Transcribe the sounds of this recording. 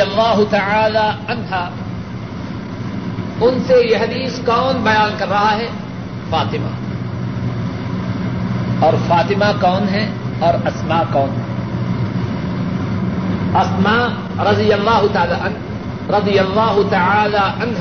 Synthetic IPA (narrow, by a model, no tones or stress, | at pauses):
ɐlːaːɦʊt̪ɐʕaːlaɐnɦaː | ʊnsejeɦɐd̪iːskɔːnbɐjaːnkɐɾːɐɦaɦɛ | faːt̪ɪma̰ | ɔːɾfaːt̪ɪmakɔːnɦɛɔːɾɐsmaːkɔːnɦɛ | ɐsmaː | ɾɐd̪ɪjɐlːaːɦʊt̪aːlaʔɐn | ɾɐd̪ɪjɐlːaːɦʊt̪ɐʕaːlaʔɐnɦ